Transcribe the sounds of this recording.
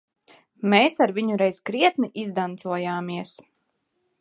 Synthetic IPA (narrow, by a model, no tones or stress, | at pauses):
meːsaɾviɲuɾɛjzkɾiɛt̪̚niʔizd̪ant̪suɔjaːmiɛs